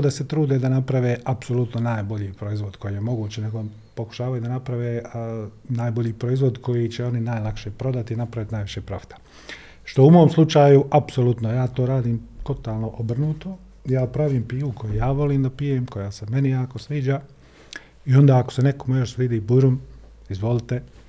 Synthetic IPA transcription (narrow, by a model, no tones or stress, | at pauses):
d̪ase̞t̪ɾuːd̪ed̪anapɾaʋeʔapso̞lˠut̪nonaːjbo̞ʎiːpɾo̞izʋo̞d̪kʰo̞jiːje̞mo̞ɡuːt͡ɕene̞ɡo̞ | po̞ku̥ʃaːʋajud̪anapɾaʋe | naːjbo̞ʎiːpɾoizʋo̞d̪ko̞jit͡ɕeo̞ninaːjlˠakʃepɾo̞d̪at̪inapɾaʋit̪inaːjʋiʃeːpɾo̞̰fi̥t̪ʰḁ | ʃt̪oumo̞ːmslˠut͡ʃaːjuʔapsolut̪nojaːt̪oɾaːd̪iːmt̪o̞t̪aːlˠno̞ʔobr̩nuːt̪o | jaːpɾaʋiːmpiːʋukʰo̞jijaːʋo̞liːmd̪apijeːmko̞jaːseme̞nijaːko̞sʋiːd͡ʒaː | io̞nd̪aːako̥se̞nekomujoʃʋid̪iːbuɾum | izʋo̞lit̪e̞